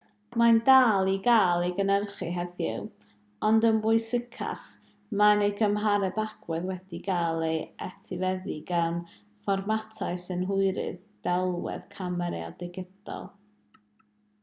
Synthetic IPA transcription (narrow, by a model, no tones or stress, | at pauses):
mandaːlˠiɡaːlˠejɡənərχɨɦɛðjɪ̰w | ɔndənwʊɨsəkʰa̰χ | manejɡəmɦaɾɛbaɡ̥wɛðwɛd̥iɡaːlˠejɛtʰivɛðiɡan | fɔrmatʰaɨsɨnɦʊɨɾɨ̰ðd̥ɛlˠwɛ̰ðkʰamɛɾɛ̰a̰dɪɡɪd̥ɔ̰lˠ